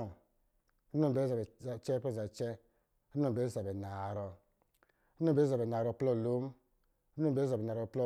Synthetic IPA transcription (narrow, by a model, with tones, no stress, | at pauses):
nɔ˦˨be˨˦sa˨bɛ˨t͡ʃɛ˦pɔ˦˨za˨t͡ʃɛ˦ | nɔ˦˨be˨˦sa˨bɛ˨na˨ɾɔ˧˦ | ɔ˦˨be˦a˨bɛ˨na˨ɾɔ˧˨plɔ˦˨lo˦m˦ | o˦˨be˦sa˨bɛ˨na˨ɾɔ˨plɔ˦